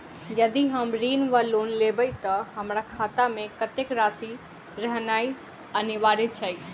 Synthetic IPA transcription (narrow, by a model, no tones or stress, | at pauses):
jəd̪iɦəmɾiːnʋəloːnlebəjt̪əɦəmɾakʰat̪amẽkət̪ekɾaːsi | ɾəɦnai | əniʋaɾit͡ʃʰəj